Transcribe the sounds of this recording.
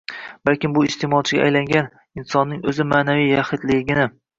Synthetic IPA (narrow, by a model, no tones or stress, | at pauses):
b̥alkʲɪmbʊɪst̪emɒlˠt͡ʃʰɪɡʲa̰ʔːjlaŋɡʲan | ɪnsɒnːɪŋɵzɪmaːnavijjaχɪd̪lɪɡʲɪnɪ